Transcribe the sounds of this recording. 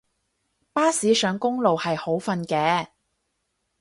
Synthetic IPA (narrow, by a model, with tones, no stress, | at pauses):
paː˥siː˨˥sœː˨˧ŋkʊ˥ŋlo˨whɐ˨jho˨˥wfɐ˧nkɛː˨˧